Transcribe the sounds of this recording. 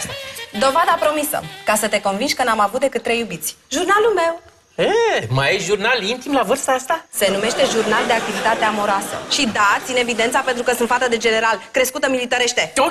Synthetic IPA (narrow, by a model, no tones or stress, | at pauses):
d̪o̞vad̪apɾo̞misə̰kasət̪e̞ko̞nvinʃʲkənamavut̪̚d̪e̞kɨt̪ːɾe̞jːubit̪sʲʒurnalulme̞w | emajeʒurnalint̪imlavɨrst̪aast̪ase̞nume̞ʃt̪e̞ʒurnald̪e̞ak̚t̪ivit̪at̪eamo̞ɾoasə̰ʃid̪at̪sine̞vid̪ent̪sape̞nt̪ɾukəsunt̪fat̪əd̪e̞d͡ʒe̞ne̞ɾalkɾe̞skut̪əmilit̪əɾe̞ʃt̪e̞